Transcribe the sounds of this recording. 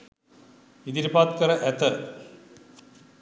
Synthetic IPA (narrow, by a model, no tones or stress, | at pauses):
id̪iɾipaːt̪kəɾəʔæt̪ə